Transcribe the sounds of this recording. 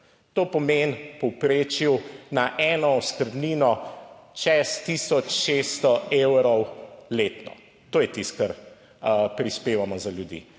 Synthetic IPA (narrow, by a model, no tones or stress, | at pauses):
t̪oːpɔmenpɔwpɾeːt͡ʃuwnaʔɛːnɔɔskəɾd̪niːnɔt͡ʃɛst̪iːsɔt͡ʃʃest̪ɔewɾɔwleːt̪nɔ̰ | t̪oːjɛt̪ist̪̚kɐɾ | pɾispeːʋamɔzaljud̪ḭ